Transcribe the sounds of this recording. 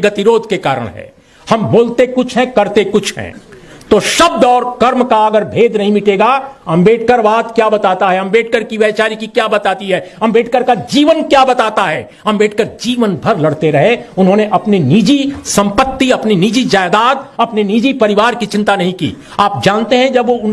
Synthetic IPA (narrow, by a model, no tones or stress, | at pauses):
ɡɐt̪iɾoːd̪ʱkekaːɾə̰ɽ̃ɦɛ̰ː | hɐmboːlt̪ekʊt͡ʃʰɦɛ̃kɐɾt̪ekʊt͡ʃʰɦɛ̰̃t̪oːʃɐb̚d̪ɔːɾkɐɾmkaɐɡəɾbʱeːd̪nɐɦĩmɪʈeːɡaːɐmbeːʈʰkəɾʋaːt̪kjaːbɐt̪aːt̪aɦɛɦɐ̃mbeːʈ̚ʰkəɾkiʋjɛːt͡ʃaːɾikikjaːbɐt̪aːt̪iɦɛːɦɐmbeːʈʰkəɾkad͡ʒiːʋənkjaːbɐt̪aːt̪aɦɛː | ɦɐmbeːʈ̚ʰkəɾd͡ʒiːʋənbʱɐɾlɐɽt̪eɾɐɦeʊnɦõːneʔɐpniniːd͡ʒisɐ̃mpət̪ːiɐpniniːd͡ʒid͡ʒaːjd̪aːd̪ɐpneniːd͡ʒipɐɾɪʋaːɾkit͡ʃɪ̃nt̪anɐɦĩkḭː | aːp̚d͡ʒãːnt̪eɦɛ̃d͡ʒɐbʋoʊn